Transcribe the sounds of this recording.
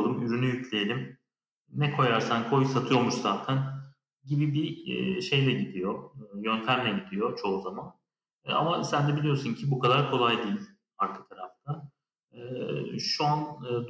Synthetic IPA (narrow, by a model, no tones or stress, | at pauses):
lˠɯmyɾynyjycʰlʲejelʲim | nɛkʰo̞jaɾsankʰo̞jsat̪ʰɯjo̞ɾmuʃzaːt̪ʰæn | ɟibibḭʃe̞jlʲɛɟid̪ijo̞ːjø̞nt̪ʰæmlʲɛɟid̪ijo̞t͡ʃʰo̞uzamanː | a̰masænd̪ɛbilʲijo̞suncʰibukʰad̪aɾkʰo̞lˠajd̪iːlʲ | haɾkʰɯ̥t̪ʰaɾa̰ft̪ʰa | ʃuanːd̪